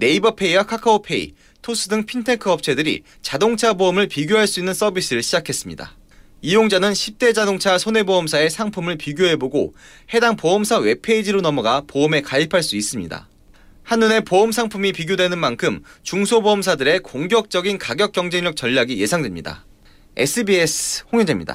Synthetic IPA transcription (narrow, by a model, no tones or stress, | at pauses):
ne̞ibʌpʰe̞iwakʰakʰaopʰe̞ḭ | tʰos͈ʰɯdɯŋpʰintʰe̞kʰɯʌp̚t͡ɕʰe̞dɯɾḭ | t͡ɕadoŋt͡ɕʰaboʌmɯɭpiɡjoɦaɭs͈uinːɯns͈ʌbis͈ɯɾɯɭɕʰid͡ʑakʰe̞s͈ɯmɲida̰ | ijoŋd͡ʑanɯnɕʰip̚t͈e̞d͡ʑadoŋt͡ɕʰasʰone̞boʌmsʰae̞sʰaŋpʰumɯɭpiɡjoɦe̞boɡo | he̞daŋpoʌmsʰawe̞pʰe̞id͡ʑiɾonʌmʌɡapoɯme̞kaipʰaɭs͈uis͈ɯmɲḭda̰ | hanːune̞poɯmsʰaŋpʰumipiɡjodwe̞nɯnmankʰɯmt͡ɕuŋsʰoboʌmsʰadɯɾe̞koŋɡjʌk̚t͡ɕ͈ʌɡinkaɡjʌk̚k͈jʌŋd͡ʑe̞ŋɲjʌk̚t͡ɕʌʎːaɡije̞sʰaŋdwemɲida̰ | e̞̰sʰɯbie̞sʰhoŋjid͡ʑemɲḭda̰